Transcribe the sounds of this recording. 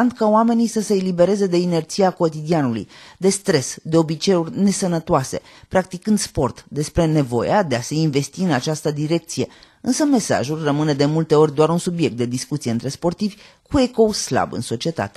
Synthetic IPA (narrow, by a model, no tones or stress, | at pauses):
and̪kaoame̞nisəse̞ːlibe̞ɾe̞ze̞d̪e̞ine̞rt̪siako̞t̪id̪ianulṵjd̪e̞st̪ɾe̞sd̪e̞o̞bit͡ʃe̞urʲne̞sənət̪oase̞̰ | pɾak̚t̪ikɨnd̪spo̞rt̪d̪e̞spɾe̞ne̞vo̞̰jad̪e̞aseinve̞st̪iɨnat͡ʃast̪əd̪iɾe̞k̚t̪sije̞ | ɨnsəme̞sa̰ʒulʲrəmɨne̞d̪e̞mult̪e̞o̞rʲd̪oaɾunsubje̞k̚t̪̚d̪ed̪iskut̪sijeɨnt̪ɾe̞spo̞rt̪ivʲ | kue̞ko̞sla̰bɨ̰nso̞t͡ʃie̞t̪a̰t̪e̥